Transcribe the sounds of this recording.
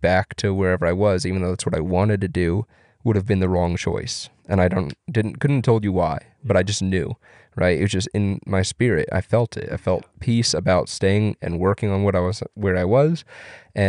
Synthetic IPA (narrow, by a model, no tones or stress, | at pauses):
b̥æk̚tʰɨwə˞ɛvə˞aɪwʌzivɨn̩ðoʊðætswʌɾaɪwɑ̃ñɨd̚tɨdʉ | wʊɾɨvbɨ̃nðɨɹɔ̃ŋt͡ʃʰɔ̰ɪs | ɨ̃ñaɪɾõʊ̃nd̥ɪdⁿn̩kʰʊdⁿn̩tʰoʊlˠd͡ʒɨwaɪ | b̥ʌɾaɪd͡ʒʌsⁿnjʉ | ɹa̰ɪtɨ̰t̚ʌzd͡ʒʌstɨ̃nmaɪspɪɹɪ̰ta̰ɪfɛlˠtʰɪ̰ta̰ɪfɛlˠt̚pʰisəbaʊtsteɪɪ̃ŋɨ̰̃nwɜ˞kɪ̃ŋə̃nwʌɾaɪwʌzwə˞aɪwʌzʔɨ̃